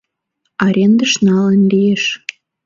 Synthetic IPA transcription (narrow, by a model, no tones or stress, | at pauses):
ɑɾʲend̪əʃnɑlənlijeʃ